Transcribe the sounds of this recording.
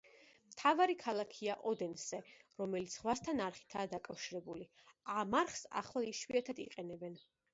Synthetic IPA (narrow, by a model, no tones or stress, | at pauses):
mt̪ʰavaɾikʰalˠakʰiaʔɔd̪ɛnsɛɾɔmɛlit̪sʰʁwast̪ʰanaɾχi̥t̪ʰaːd̪akʼafʃiɾɛbuliamaɾχsa̰χlˠaiʃviat̪ʰad̪ḭqʼɛnɛbɛn